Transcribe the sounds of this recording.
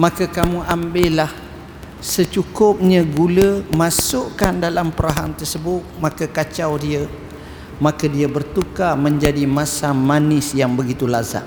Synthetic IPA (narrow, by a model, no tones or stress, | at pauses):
makəkamuʔambɪlah | sət͡ʃukʊp̚ɲə̃ɡuləmasʊʔkandalampəɾaɦant̪ərsəbʊt̪̚makəkat͡ʃawdiə | makədiəbərt̪ukamə̃ɲd͡ʒadimãsamanɪsjaŋbəɡit̪ulaza̰ʔ